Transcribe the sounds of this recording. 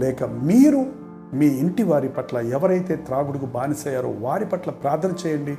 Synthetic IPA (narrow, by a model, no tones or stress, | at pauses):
lɛːkɐmiːɾu | miːiɳʈiʋaːɾipɐʈlɐɛʋɐɾɐjt̪e̞ːt̪ɾaːɡuɽukubaːnisɐːjaːɾo̰ːʋaːɾipɐʈlɐpɾaːd̪ʱɐnɐt͡ʃɛːjɐɳɖi